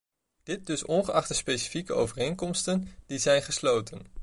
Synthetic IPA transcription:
d̥ɪt̚dɵsɔnχəʔɑχtəspejsi̥fikəʔo̰wvərejnkɔmstənd̥izɛjnχəslowtən

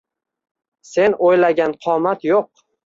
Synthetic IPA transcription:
se̞nojlaɡʲanqʰɒmat̪joq̚

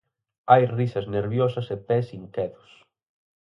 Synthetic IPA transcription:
ajrisɐzneɾβjosɐsepɛsiŋkɛðʊs

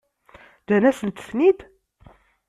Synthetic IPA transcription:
d͡ʒænæsənt̪ə̥fnid̪

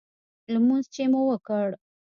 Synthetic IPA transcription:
ləmunzt͡ʃemowəkəɽ

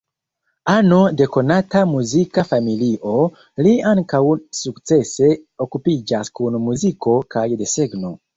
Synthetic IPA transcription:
anodekonatamuzikafamiliʔo | liaŋkawusukt͡seseokupid͡ʒaskunumuzikokʰajdeseɡno

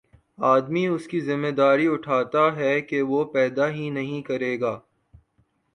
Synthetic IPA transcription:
aːd̪miʊskizɪmːed̪aːɾiʊʈʰaːt̪aɦɛkeʋopɛːd̪aɦĩnɐɦĩkɐɾeːɡaː

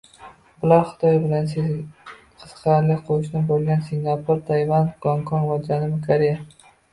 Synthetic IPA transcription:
bɪlaɾχʊ̥t̪ʰɒjbɪlans | qʰɨ̥sqʰɑɾlɪkʲqʰoʊʃnɪbolˠɡʲansɪŋapʰʊɾt̪ʰajvanɡ̥ɒŋkʰɒnvad͡ʒanɪmɪkʰaɾija

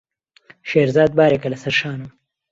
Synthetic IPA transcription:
ʃeːɾzɑːd̪̚baːɾekɐlɐsɐɾʃaːnum

